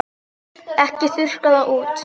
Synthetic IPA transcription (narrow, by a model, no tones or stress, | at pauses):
ɛhcɪθʏr̥kaðaʔuːt̪